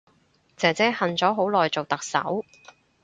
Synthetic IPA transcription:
t͡sɛː˨t͡sɛː˥hɐ˨nt͡sɔː˨˥ɦo˨˥wlɔː˨˩jt͡so˨wt̪ɐ˨k̚sɐ̰˨˥w

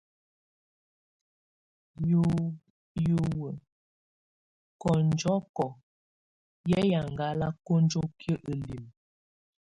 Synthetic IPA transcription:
jo˨wə˨ | kɔ˨n˦d͡ʒɔ˦kɔ˨ | jɛ˦ja˨ŋ˨ɡa˦la˦ko˦n˦d͡ʒo˦kjə˦ʔə˨li˨m

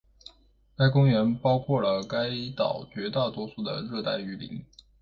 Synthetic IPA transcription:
ka˥ɪkʊ˥ŋɥɛ˧˥npɑ˥ʊkʰwɔ˥˩lə˩ka˥ɪt̪ɑ̰˨˩ʊt͡ɕɥɛ˧˥t̪a˥˩t̪wɔ˥su˥˩d̪ə̰˩ɻɤ˥˧t̪a˥˩ɪy˧˥lḭ˧˥˦ŋ

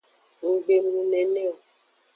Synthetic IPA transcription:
ŋu˨ɡ͡be˨mũ˨nɛ˨nɛ˦o˨

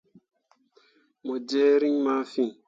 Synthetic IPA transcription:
mɔ˨d͡ʒɛ˦ɾi˦ŋma˦fi˦ŋ

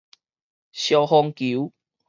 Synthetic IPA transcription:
ɕjɔ˧hɔ˧ŋkiu˨˦

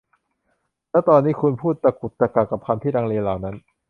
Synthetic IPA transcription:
lɛ˦˥t̪ɔː˧nːiː˦˥kʰu˧npʰuː˥˩t̪̚t͡ɕa˧˩ku˨˩t̪̚ːa˧ka˨˩kːa˨˩p̚kʰa˧nt̪ʰiː˥˩ɾaː˧ŋleː˧laː˨˩wna˦˥n

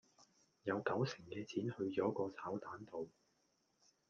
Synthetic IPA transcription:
jɐ˨˧wkɐ˨˥wsɪ˨˩ŋkɛː˧t͡sʰiː˨˥nhɵ˧ɥt͡ʃɔː˨˥kɔː˧t͡sʰaː˨˥wt̪aː˨˥nt̪o˨w

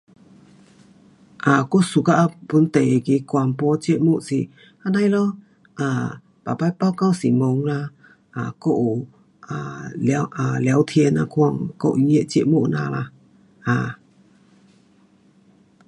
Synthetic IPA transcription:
ʔa˨ko˦˨su˨ka˧ʔa˧pu˧˦nt̪e˨ki˧˦kwa˧mpɔ˧˦t͡ɕe˦ʔmu˦˨ʔsi˧˨ | a˧na˧jlɔ˦ | ʔa˨ | pa˨pa˧jpa˦wka˧wsi˨mo˨˧ŋla˧ | ʔa˨ko˦ʔu˨ | ʔa˨lʔa˨lwt̪ʰie˧˦na˧kʰa˧ŋkɔ̰˦˨ʔje˦ʔt͡ʃɛ˦ʔmu˦ʔna̰˧la̰˧ | ʔa˨

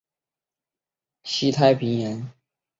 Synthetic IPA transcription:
ɕi˥t̪ʰa˥ɪpʰi˧˥ŋjɛ˨˧˥n

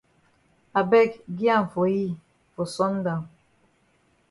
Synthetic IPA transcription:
a˨bɛ˦˨kɡi˦a˦˨ɱ̩˨fo˨ji˦˨ | fo˨sɔ˦n˦da˨m

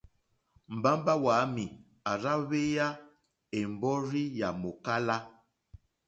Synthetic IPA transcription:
m̩˨ba˦m˦ba˦waː˨˦mi˨ | a˨ɾa˦βe˦ja˦ | e˨m̩˨bɔ˦ɾi˦ja˨mo˨ka˦la˦

